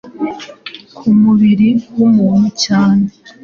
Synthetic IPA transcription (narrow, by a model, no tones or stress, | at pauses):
kʰumuβiɾiwumuːnucaːne